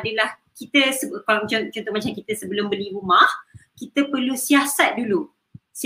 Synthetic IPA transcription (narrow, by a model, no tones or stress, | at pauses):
adəlah | kit̪əsəkt͡ʃɔt͡ʃɔnt̪ʊʔ̚mat͡ʃamkit̪əsəbəlʊmbəliɾumahkit̪əpərlusiasat̪̚dulu | s